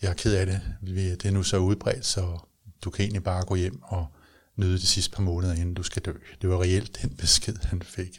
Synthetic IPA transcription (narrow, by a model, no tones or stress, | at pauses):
jɑ̈kʰeð̞̰ˠæɾe̝ʋed̥e̝nusɒ̽uð̞̩ˠb̥ʁɛ̰ːd̥sɒ̽ | d̥ukʰæe̝ːnlib̥ɑ̈ːɡ̥ɔ̰̽ːjem̰ɒ̽ | nyːð̞ˠəd̥isisd̥əpʰɑ̈mɔ̽ːnəð̞ˠɐe̝nn̩d̥usɡ̥æd̥ø̰ːd̥e̝ʋɑ̈ʁɛel̰d̥ːenb̥e̝sɡ̥eð̞̰ˠhænfe̝ɡ̥